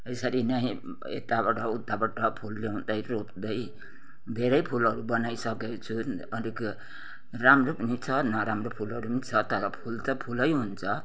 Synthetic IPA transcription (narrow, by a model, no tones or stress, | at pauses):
ejsaɾinʌj̃ | ḛt̪aβaʈʌud̪ʱːabaʈʌpʰulːeɦund̪ʌjɾopd̪ʌj | bʱeɾʌjpʰulʌɾubʌnajsʌket͡sʰu | ʌlik | ɾamɾopʌnit͡sʰʌnʌɾamɾopʰulʌɾupnit͡sʰʌt̪ʌɾʌpʰult̪ʌpʰulʌjɦunt͡sʰʌ